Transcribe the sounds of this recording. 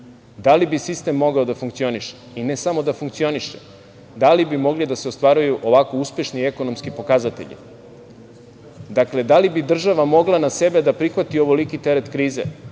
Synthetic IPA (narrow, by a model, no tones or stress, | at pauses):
d̪alibisist̪e̞mːo̞ɡaod̪afuŋkt̪sio̞niʃe̥ | ine̞samo̞d̪afuŋkt̪sio̞niʃe̥ | d̪alibimo̞ɡlid̪aseost̪ʋaɾujuʔo̞ʋako̞uspje̞ʃnieko̞no̞mskipo̞kazat̪ḛʎḭ | d̪akle̞d̪alibid̪r̩ʒaʋamo̞ɡlˠanase̞be̞d̪apɾixʋat̪io̞ʋolikit̪e̞ɾet̪kɾiːze